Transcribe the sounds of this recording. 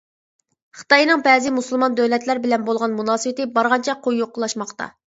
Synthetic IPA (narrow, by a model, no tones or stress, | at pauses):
χɨ̥t̪ɑjnɨŋbɛːzɪmusulˠmɑnd̪øwlɛt̪læɾbɪlɛnbolˠʁɑnmunɑːsɨwɪt̪ɪbɑɾʁɑnt͡ʃʰɛqʰojːoqːəlˠɑʃmɑχt̪ɑ̰